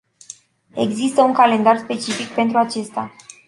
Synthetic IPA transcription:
e̞ɡzist̪əuŋkale̞nd̪arspe̞t͡ʃifik̚pe̞nt̪̬ɾuat͡ʃe̞st̪a

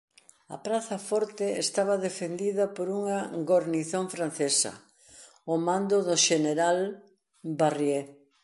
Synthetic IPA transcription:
ɐ̰pɾaθɐfɔɾt̪ɪest̪aβɐðefend̪iðɐpoɾuŋɐɡoɾniθõɱfɾan̟θesɐ̰ | ʊmand̪ʊðʊʃeneɾal | barje

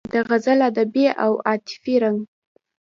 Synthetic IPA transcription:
d̪əɣazalad̪abiʔawɑt̪ɪ̥fiɾaŋɡ

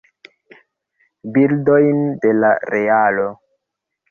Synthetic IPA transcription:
bildojnde̞laɾe̞alo̞

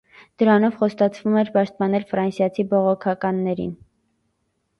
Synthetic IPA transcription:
d̪̥əɾɑnɔvχɔst̪ɑt͡sʰvumɛɾpɑʃt̪̚pɑnɛlfɾɑnsjɑt͡sʰibɔʁɔkʰɑkɑnːɛɾḭn

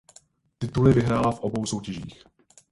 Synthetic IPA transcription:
t̪ɪt̪ulɪvɪɦɾaːlafʔo̞bo̞wso̞wcɛʒḭːx

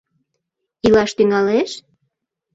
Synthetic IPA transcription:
ilɑʃt̪yŋɑleʃ

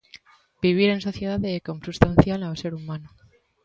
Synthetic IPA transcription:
b̥iβ̞iɾe̞nso̞θje̞ð̞aðekomsust̪an̟θjalawse̞ɾumãnu

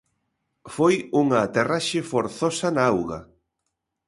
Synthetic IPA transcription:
fojuŋɐːt̪eraʃɪfoɾθɔsɐnaawɣɐ̰

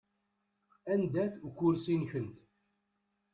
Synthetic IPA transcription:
ænd̪æθukːʊɾsinçənt̪

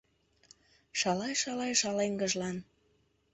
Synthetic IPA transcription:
ʃɑlɑjʃɑlɑjʃɑleŋɡəʒlɑn

